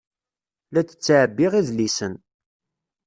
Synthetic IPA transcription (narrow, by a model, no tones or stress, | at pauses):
læt͡sːə̥t͡sːʕəbːiʁiðlisən